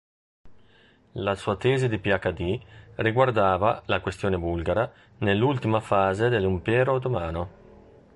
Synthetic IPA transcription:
lasuːat̪ɛːzed̪ipiakːad̪iriɡward̪aːvalakwest̪joːnebulɡaɾa | nelːult̪imafaːzed̪elːimpɛːɾot̪omaːno

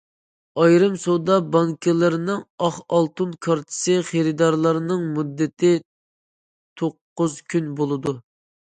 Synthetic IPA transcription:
ɑjɾɨmsod̪ɑbɑŋkʰɪlˠɪɾnɨŋɑχɑlˠt̪unkʰɑɾt̪ʰɨ̥sɨχeɾɨd̪ɑɾlˠɑɾnɨŋmud̪ːɪt̪ʰɪ | t̪ʰoqːʊzkʲʰynbolˠɨd̪u

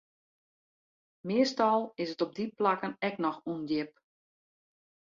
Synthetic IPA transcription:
mɪəstɔlˠɪsətɔb̚diplakənɛk̚nɔxundjɪp̚

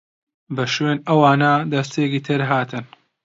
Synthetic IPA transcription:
bɐʃweːnɐwaːnɐd̪ɐst̪ekiːt̪ʰɨɾɦaːt̪ʰɨn

